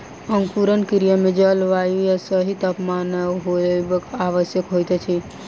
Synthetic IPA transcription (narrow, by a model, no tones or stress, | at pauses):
əŋkuɾənkiɾijəmed͡ʒəlʋajujasəɦit̪əpmanəɦobəkaʋəsjəkɦojt̪ɛt͡ʃʰi